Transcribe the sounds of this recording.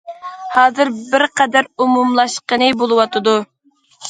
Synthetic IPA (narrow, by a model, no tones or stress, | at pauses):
hɑːzɨɾbɪɾqʰɛd̪æɾumumlˠɑʃqənɨbolˠɨwɑt̪ʰɨd̪u